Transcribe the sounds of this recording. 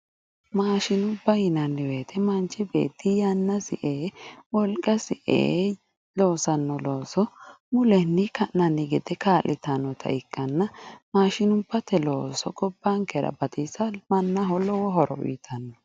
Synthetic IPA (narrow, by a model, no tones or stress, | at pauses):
maːʃɪnʊbːɐjɪnɐnːɪweːt̪ʰɛmɐnt͡ʃːɪbḛːt̪ːɪjɐnːɐsɪʔeːwɔlkʼɐsɪʔḛː | lo̞ːsɐnːɔloːsɔ | mʊlɛnːɪkɐnːɐnːɪɡɛd̪ɛkaːlʔɪt̪ɐnːɔt̪ʰɐ̰ɪkʼːɐnːɐmaːʃɪnʊbːɐt̪ːɛlo̞̰ːsɔɡɔbːaŋkɛɾɐ̰bɐt̪isɐmɐnːɐɦɔlːɔwɔɦɔɾɔ̰wḭːt̪ʰɐnːɔ